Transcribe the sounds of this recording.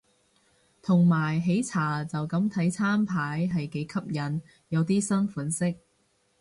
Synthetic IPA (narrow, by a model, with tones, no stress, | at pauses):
t̪ʰʊ˨˩ŋmaː˨˩jɦe˨˥jt͡sʰaː˨˩t͡sɐ˨wkɐ˨˥mt̪ʰɐ˨˥jt͡sʰaː˥mpʰaː˨˥jɦɐ˨jke˨˥jkʰɐ˥p̚jɐ˨˥n | jɐ˨˧wt̪iː˥sɐ˥nfuː˨˥nsɪ˥k̚